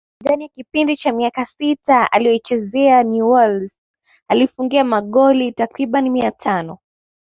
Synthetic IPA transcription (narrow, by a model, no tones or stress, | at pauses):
ðanijakipindit͡ʃamiakasitaa̰lijɔit͡ʃɛzɛanuwɛlz | alifuŋɡiamaɠɔlitakɾiɓanimiatʰanɔ